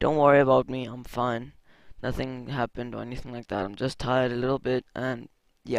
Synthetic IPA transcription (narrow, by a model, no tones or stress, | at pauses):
d̥õʊ̃nʔwɜɹiɨbaʊt̚miãɪ̃ɱfãɪ̃nː | ʌθɪ̃ŋɦæpɨ̃ndə̰˞ɛniθɪ̃ŋlaɪk̚ðæ̰ɾãɪ̃md͡ʒʌstʰaɪəɾəlɪɾl̩ˠbɪt̚ʔɨ̃n | jæ